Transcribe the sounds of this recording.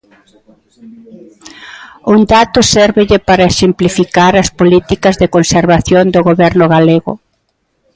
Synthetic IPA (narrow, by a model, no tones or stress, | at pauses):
und̪at̪ʊsɛɾβɪʎɪpaɾɐesimplifikaɾɐspolit̪ikɐzðekonseɾβaθjond̪ʊɣoβɛɾnʊɣaleɣʊ̰